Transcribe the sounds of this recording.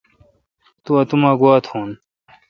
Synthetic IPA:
t̪uɐt̪umaːɡwaːt̪ʰhuːn

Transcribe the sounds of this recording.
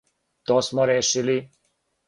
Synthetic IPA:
t̪ɔsmɔɾeʃili

